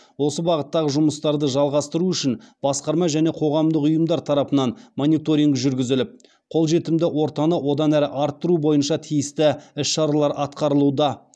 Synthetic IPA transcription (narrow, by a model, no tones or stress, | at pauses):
wo̞səbɑʁət̪ːɑʁəʒʊməst̪ɑɾd̪əʒɑlˠʁɑst̪əɾuʏʃɪnb̥ɑsqɑɾmɑʒæne̞qʰo̞ʁɑmd̪əqʊjəmd̪ɑɾt̪ʰɑɾɑpənɑnmonijt̪o̞ɾʲiŋʒʏɾɡʲɪzɪlɪp̚ | qʰo̞lˠʒe̞t̪ɪmd̪ɪwo̞ɾt̪ɑnəwʔo̞d̪ɑnæɾɪʔɑɾt̪ːəɾubo̞jənʃɑt̪ʰijɪst̪ɪɪsʃɑɾɑlˠɑɾʔɑt̪qɑɾəlˠud̪ɑ